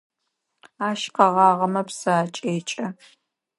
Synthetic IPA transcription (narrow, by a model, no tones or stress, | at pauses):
aːʃqɐʁɑːʁɐmɐpsɐt͡ʃʼeːt͡ʃʼɐ